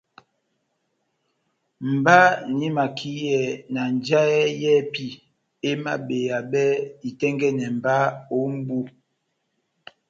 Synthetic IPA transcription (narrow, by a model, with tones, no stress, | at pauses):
m̩˨ba˦ni˨˦ma˨kʰi˦jɛ˨na˨n˨d͡ʒa˦ɛ˦jɛ˦pi˦ | e˦ma̰˦be˨ja˨bɛ˦i˨tɛ˦ŋɡɛ˦nɛ˨m̩˨ba˦o˨˦m˦bu˦